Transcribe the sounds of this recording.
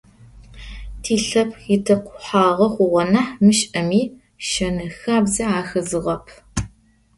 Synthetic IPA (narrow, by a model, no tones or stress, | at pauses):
tʰiːɬɐpʰɪtʰɐqʷʊħaːʁɐχʷʊʁʷɔnaħmɨʃʼɐmiː | ʃɐnɐxaːbzɐaːxɐzɨʁɐpʰ